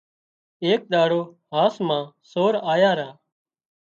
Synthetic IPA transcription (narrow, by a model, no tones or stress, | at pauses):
eːk̚ɗ̪aːɽoːɦaːsmãːsoːɾaːjaːɾaː